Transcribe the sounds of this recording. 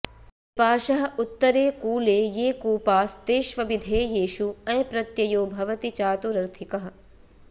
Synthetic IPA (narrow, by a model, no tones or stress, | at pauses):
ipaːʃɐɦɐ̆ut̪ːɐɾeːkuːleːjeːkuːpaːst̪eːʃʋɐbid̪ʱeːjeːʃuɐ̃jpɾɐt̪jɐjoːbʱɐʋɐt̪it͡ʃaːt̪uɾɐɾt̪ʰikɐɦɐ̆